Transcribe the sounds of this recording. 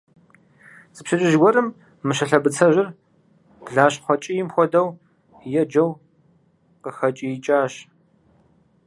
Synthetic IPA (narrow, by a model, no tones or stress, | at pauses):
zɨpɕɐt͡ʃʼɪʒɡʷɔrɨmː | ɨʃɐɬɐbɨt͡sʰɐʒɪr | b̥ɮaːɕχʷɔt͡ʃʼijɪmxʷɔdɐw | jɛd͡ʒɐw | qəxɐt͡ʃʼijɪt͡ʃʼaːɕ